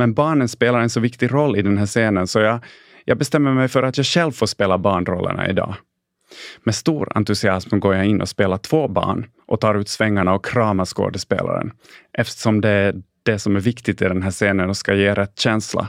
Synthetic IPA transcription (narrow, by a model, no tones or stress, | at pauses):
mɛnbɑːɳənspeːlaɾɛnsɔvɪkt̪ɪɾɔlːɪd̪ɛnɦæːʂeːnənsɔjɑ | jʔɑːɡ̚bɛst̪ɛmːəɾmɛjfœɾat̪jɑːɡɕɛlvfoːʂpeːlabɑːɳɾɔlːʔə̰ɳa̰ɪ̰d̪ɑ̰ː | mɛst̪uːɾa̰nt̪ɵsɪasmɡoːɾjaɪnːʔɔ̰speːlaʈʰv̥oːbɑ̰ːɳ | ʔɔt̪ʰɑːɾʉ̟ːt̪svɛŋːaɳaɔkʰɾɑːmaʂko̰ːd̪əspḛːlʔa̰ɾə̰n | ʔɛft̪ə̥ʂɔmd̪ɛæd̪̥ɛsɔmæɾvɪkt̪ɪt̪ɪd̪ɛnɦæːʂeːnənɔskajeːɾʔɛt̪ːɕɛnsla̰